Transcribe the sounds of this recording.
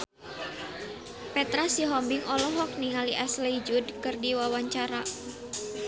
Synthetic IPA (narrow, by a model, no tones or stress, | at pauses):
pɛt̪ɾasiɦɔmbɪŋɔlɔɦɔk̚niŋaliʔaslaid͡ʒudkɨrdiwawaɲt͡ʃaɾa